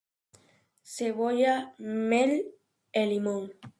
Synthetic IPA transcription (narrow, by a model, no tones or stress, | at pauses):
seβojamel | elimõŋ